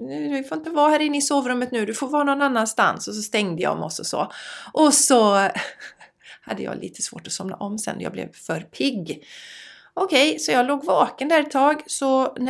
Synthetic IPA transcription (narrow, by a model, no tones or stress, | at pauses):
nd̪ɪfoɾɪnt̪əvɑːhæːɾɪnːəɪsoːvɾɵmːət̪nʉ̟ːd̪ɵfoːɾvɑːnɔnanːanst̪a̰nsɔs̬ɔst̪ɛŋd̪əja̰ɔ̰mɔ̰sɔsɔ̰ʔɔsɔ | ha̰d̪ːə̰jɑ̰ːlḭːt̪ʰə̥svoːʈɔsɔmna̰ʔɔmːsɛ̰nːɔjɑ̰ːblɛ̰vfœɾpʰɪɡː | ɔkʰɛjsɔjɑːɡloːɡvɑːkənd̪æɾɛt̪ʰːɑːɡsɔn